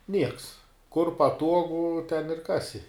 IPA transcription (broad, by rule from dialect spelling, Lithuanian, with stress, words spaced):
ˈnʲiɛks kʊr pɐˈtuɔɡʊ tʲɛn ɪr ˈkɑːsʲɪ